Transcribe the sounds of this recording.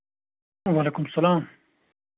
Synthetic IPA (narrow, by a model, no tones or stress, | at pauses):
waleːkʊmsɐlaːm